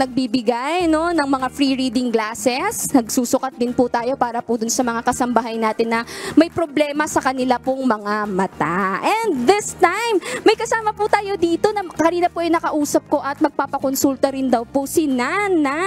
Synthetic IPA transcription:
nɐɡ̚bibɪɡajno̞nɐŋmɐŋafɾiɹiːd̪ɪŋɡlaːsɛsnɐɡsuːsʊkɐt̪̚d̪ɪnpʊt̪aːjo̞paːɾɐpʊd̪ʊnsɐmɐŋakɐsɐmbɐɦajnaːt̪ɪnːɐmɐjpɾoblɛːmɐsɐkɐnɪlapoŋmɐŋamɐt̪aʔɛnd̪ðɪst̪ajmːɐjkɐsaːmɐput̪aːjo̞d̪iːt̪o̞nɐkɐniːnɐpoʔɐjnɐkɐʔuːsɐp̚ko̞ʔɐt̪̚mɐɡ̚paːpɐkonsult̪ɐɾɪnd̪ɐwposɪnana

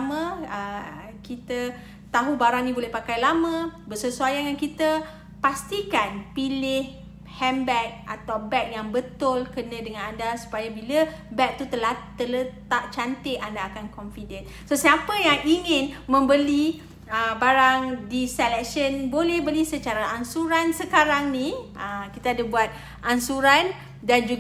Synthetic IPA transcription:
mə̃ə | kit̪ə | t̪aɦubaɾaŋnĩbolɛhpakajlamə̃bəsəsuajaŋjaŋkit̪ə | past̪ikanpilɪh | hɛmbɛk̪̚ʔa̰t̪awbɛk̪̚jaŋbət̪ʊlkənãdəŋãnandasu̥pajabila | bɛk̚t̪ut̪əlaht̪ələt̪aʔ̚t͡ʃant̪ɪʔandaːkankɔnfidən | sosiapəjaŋiŋɪ̃nmə̃mbəli | əbaɾaŋdisɛlɛk̚ʃənbolɛhbəlisət͡ʃaɾaʔansuɾansəkaɾaŋniʔəkit̪aːdabuat̪̚ | ʔansuɾan | dand͡ʒu

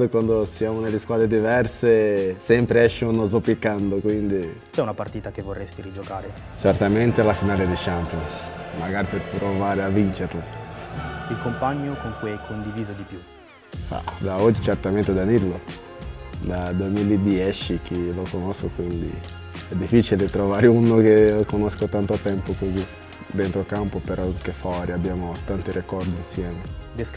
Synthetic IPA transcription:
d̪ekwand̪osjaːmonelːeskwaːd̪ɾed̪ivɛrsesɛmpɾeɛʃːonozopːikːand̪okwind̪i | t͡ʃɛunapart̪iːt̪ak̟evːorːest̪iɾid͡ʒokaːɾe | t͡ʃɛrt̪ament̪elafinaːled̪iʃampjonsmaɡaːɾiperpɾovaːɾeavːint͡ʃeɾlo | ilkompaɲːokoŋkujɛkʰːond̪iviːzod̪ipju | a̰d̪aɔd͡ʒit͡ʃert̪ament̪ed̪aniɾlo | d̪ad̪uemilid̪jɛt͡ʃik̟ilokonoskokwind̪ḭ | ɛd̪ːifːit͡ʃilet̪ɾovaːɾeunok̟eokonoskot̪ant̪oat̪ɛmpokozi | d̪ent̪ɾokampopeɾɔŋkefɔɾiabːjaːmot̪ant̪iɾekɔrd̪iːnsjɛːmed̪es

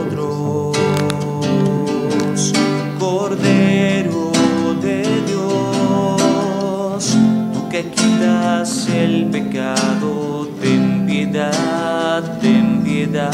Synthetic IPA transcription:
t̪ɾo | s | koɾðeɾoðeðjo | st̪ukekit̪ase̞lpe̞kaðo | ðempjeðad̪dempjeða

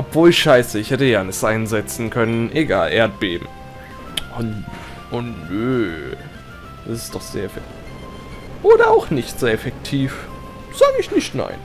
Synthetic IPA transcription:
ʔɔpv̥oːlʃaɪsəɪçhɛtəjaːnɪtʔaɪnzɛt͡sn̩kʰœnənʔeɡa̰ːlʔeːɐt̚b̥eːbm̩ | ʔʊn | ʔʊnnøː | d̥asɪ̥std̥ɔχz̥ḛːɐɛfɛktʰif | ʔoːɾɐaʊxnɪçtz̥eːɐɛfɛktʰiːf | z̥aːɡəɪçnɪçtna̰ɪn

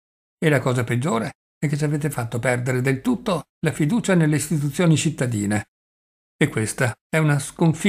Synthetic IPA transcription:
elakɔːzaped͡ʒːoːɾe | ɛkːet͡ʃːaveːt̪efat̪ːopɛrd̪eɾed̪elt̪ut̪ːo | lafid̪uːt͡ʃanelːeist̪it̪̬ut̪sːjoːnit͡ʃit̪ːad̪ḭːne | ekːwest̪a | ɛunaskoɱfi

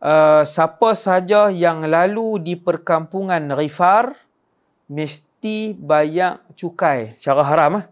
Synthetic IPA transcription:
ʔəsapasad͡ʒajaŋlaludipərkampuŋanrifar | məst̪ibaɲaʔt͡ʃukajt͡ʃaɾaɦaɾamah

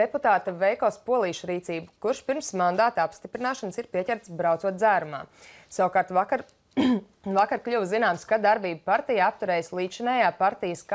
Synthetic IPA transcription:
d̪eput̪aːt̪avɛjkɔːspuɔlˠiːʃɾiːt̪siːbukuɾʃpiɾmsmãnd̪aːt̪apst̪ipɾinaːʃansiɾpiɛcʲɛɾt̪sbɾaw̪suɔt̪d̪zæːɾuma̰ː | sawkaːɾt̪aka | vakaɾklʲuvzinaːmskad̪aɾbiːbpaɾt̪ijaap̚t̪uɾɛːjslˠiːʃɛnɛːjaːpaɾt̪ijəska

